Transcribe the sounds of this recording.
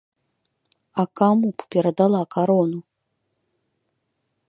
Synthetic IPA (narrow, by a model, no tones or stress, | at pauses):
ɐkamuppʲɛɾɐd̪alˠakʰaɾɔnu